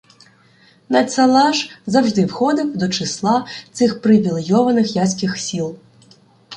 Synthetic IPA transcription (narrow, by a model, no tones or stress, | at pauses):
nɐsɐlˠɑʂzɐwʐd̪ɪwxɔd̪ɪwd̪ɔt͡ʃɪslˠɑt̪sɪxpɾɪʋʲilʲˠjɔʋɐnɪxjasʲkʲixsʲilˠ